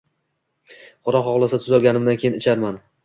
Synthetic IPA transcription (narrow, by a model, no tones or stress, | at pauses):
qʊɾɒχɒʁlˠasat̪ʰʊzɒlˠɡʲanɪmd̪ankʲʰe̞jɪnɪt͡ʃʰaɾman